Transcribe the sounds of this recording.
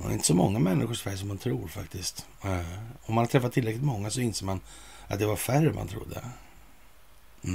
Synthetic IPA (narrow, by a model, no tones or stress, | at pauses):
d̪ɛ̰ɪnt̪əsɔmɔŋːamɛnːʔɪɧʊʂfæɾʂ̬ɔmhant̪ʰɾuːɾfakt̪ɪst̪ | ɔmːanhaɾt̪ʰɾɛfat̪ʰːɪlɾɛklɪt̪mɔŋːasɔɪnseːɾman | ʔat̪̚d̪ɛvaɾfærːəmʔa̰nt̪ʰɾʊ̰d̪ːə̰